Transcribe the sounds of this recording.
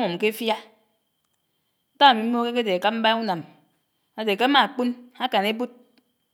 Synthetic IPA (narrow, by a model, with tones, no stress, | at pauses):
ŋo˨m˨ke˦fja˦ | n̩˦ta˦a˨mi˨m̩˦mo˦ke˦ke˦de˨a˨ka˦m̩˦ba˦u˦na˨m | a˨de˨ka˦a˦ma˨k͡pu˦na˦ka˨ne˦bu˦t̚